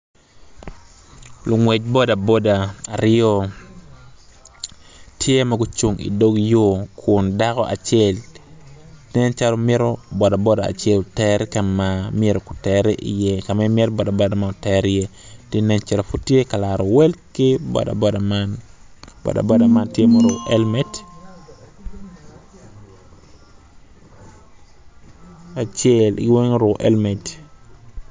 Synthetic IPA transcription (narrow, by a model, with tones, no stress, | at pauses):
lʊ˨ŋwɛ˨t͡ʃ̚bɔ˦da˨bo˦da˨a˨ɾɪɔ˦ | tʰje˦ma˨ɡʊ˦t͡ʃu˨ŋḭ˨do˦ɡjo˦kʰʊ˨nda˦kɔ˦ʔa̰˨t͡ʃjɛ˨l | nɛ˦nt͡ʃa˦lo˦me˦ɾo˦bɔ˨da˨bɔ˦da̰ː˨t͡ʃe˦ltɛɾka˨mamje˦ɾo˨kʊ̥˨tɛɾɛ˦ʔḭ˨je˦ka˨mɛ˦mjɛ˦ɾbɔ˨da˨bɔ˦da˨ma˨o˨tɛ˦ɾije˦ti˦nɛ˦nt͡ʃa˦lo˨fu˦tːje˦ka˨laɾo˨wɛ˦lkɪ˦bɔ̰˨da̰˨bɔ˦da˨manbɔ̰˨da̰˨bɔ˦da˨ma˦ntje˦moɾɔʔɛlmɛt | a˨t͡ʃel̰ɡwe˦ŋɾo˨ʔɛlmɛ˨t